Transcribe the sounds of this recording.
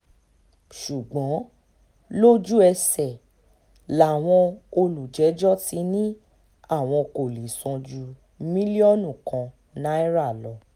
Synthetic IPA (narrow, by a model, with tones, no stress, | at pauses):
ʃu˨ɡ͡bɔ̃˨˦ | lo˦d͡ʒu˦ɛ˧sɛ˨ | la˨˦˨w̃ɔ̃˧o˧lu˨d͡ʒɛ˨˦d͡ʒɔ˦ti˧nĩ˦ | a˦˨w̃ɔ̃˧ko˨li˨sɔ̃˧d͡ʒu˧ | mĩ˦li˦ɔ˦nũ˦˨kã˨˧ | nã˨˦ɛ˦ɾa˦˨lɔ˨˦